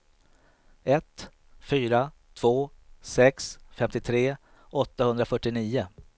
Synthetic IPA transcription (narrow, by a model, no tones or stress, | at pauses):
ɛt̪ | fyːɾat̪ʰv̥oːsɛksfɛmt̪ɪt̪ʰɾeː | ɔt̪ːahɵnd̪ɾafœʈːɪniːʊ